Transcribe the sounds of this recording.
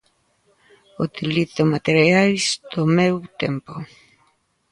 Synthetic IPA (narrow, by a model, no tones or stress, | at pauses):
ut̪iliθomat̪eɾjajzd̪omewt̪empo